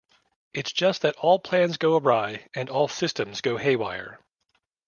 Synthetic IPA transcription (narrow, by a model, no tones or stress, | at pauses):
ɨtsd̥ʒ̥ʌst̪̚ðɨɾʔɔlˠpʰl̥æ̃nzɡoʊəbaɪɨ̃nɔlˠsɪstɨ̃mzɡoʊheɪwa̰ɪə̰˞